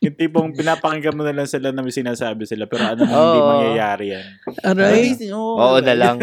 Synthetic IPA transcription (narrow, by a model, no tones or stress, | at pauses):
hɪnt̪ipoŋpɪnaːpɐŋɪkɐmonɪlɐŋsɪlanɐmɐsɪnaːsaːbɪsɪlapɛːɾoʔɐnomoimɐŋjɐjaːɾɪjanoɾaj̪oʔoːʔonɐlaŋ